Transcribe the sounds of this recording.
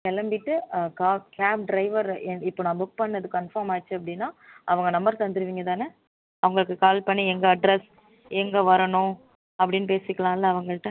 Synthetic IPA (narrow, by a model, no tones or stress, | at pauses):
kɛlɐmbɪʈːɯkaːkaːp̚ɖɾɐɪʋɐɾɛɪpːoːnãːbʊk̚pɐɳːɐðɯkɐnfaːɾmaːt͡ʃːɯɐp̬ːɐɽɪnːaːʔɐʋɐŋɡɐnɐmbɐɾt̪ɐnd̪ɯɾɯʋiːŋɡɐt̪aːne | ɐʋɐŋɡɐɭɯkːɯkaːlpɐɳːiɛŋɡɐːɖɾɛs | ɛŋɡɐʋɐɾɐɳʊ̃ | ɐpːɐɽɪnːɯpeːsɪkːɐɭãːɪlːɐːʋɐŋɡɐɭʈːɐ̃